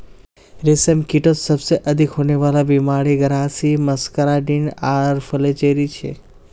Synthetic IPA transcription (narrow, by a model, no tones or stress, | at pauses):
ɾesemkiʈosəbseʔəd̪ʱikɦoneʋalabimaɽiɡəɾasiməskəɾaɖinaɾfəlet͡ʃeɾit͡ʃʰḛ